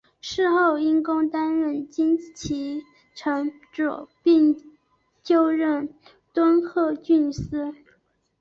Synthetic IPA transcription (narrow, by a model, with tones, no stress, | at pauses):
ʂɻ̩˥˧xo˥˩ʊi˥nkʊ˥ŋt̪a˥nɻə˥˩nt͡ɕi˥nt͡ɕʰi˧˥ | ʈ͡ʂʰɤ˧˥ŋ | ʈ͡ʂɔ̰˨˩pi˥˧ŋ | t͡ɕjo˥˧ʊɻə˥˩n | t̪wə˥nxʰɤ˥˧t͡ɕy˥˩nsɹ̩˥